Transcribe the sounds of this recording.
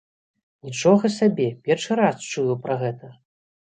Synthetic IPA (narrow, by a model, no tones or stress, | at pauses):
nʲit͡ʂɔɣɐsʲabʲɛpʲɛrʂɨɾast͡ʂujupɾɐɣɛt̪ɐ